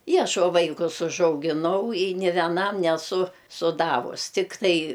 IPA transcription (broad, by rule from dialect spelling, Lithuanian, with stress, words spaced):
ɪ ˈɐʃ oː ˈʋɐɪkʊs ʊʒɐʊɡʲɪˈnɐʊ ɪ nʲeː ʋʲɛˈnɐm nʲɛˈsʊ sʊˈdɑːʋʊs tʲɪkˈtɐɪ